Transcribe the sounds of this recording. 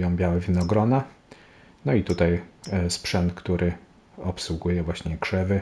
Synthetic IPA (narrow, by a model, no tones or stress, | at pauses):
jɔ̃w̃bʲjawɛvʲinɔɡɾɔna | nɔit̪ut̪ajspʂɛnt̪kt̪uɾʔɘ | ɔpswuɡujɛvwaɕɲɛɡʂɛvɘ